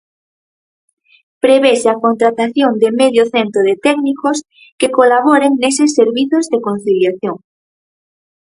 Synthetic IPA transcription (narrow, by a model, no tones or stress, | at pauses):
pɾeβeseakont̪ɾat̪aθjond̪emeðjoθent̪ɾoð̞et̪ɛknikos | kekolaβ̞oɾeŋnesesːeɾβiθozðekon̟θiljaθjoŋ